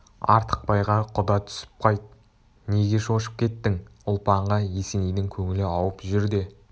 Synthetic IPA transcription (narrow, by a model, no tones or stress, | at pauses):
ɑ̰ɾt̪ʰə̥q̚pɑjʁɑqʰʊd̪ɑt̪ʰʏ̥sɪ̥p̚qʰɑjt̪̚ | ne̞ɡʲe̞ʃo̞ʃə̥p̚kʲʰe̞t̪ːɪŋʊlˠpɑɴʁɑje̞senejd̪ɪŋkʲʰɵŋɪlɪɑwəpʒʏɾd̪e̞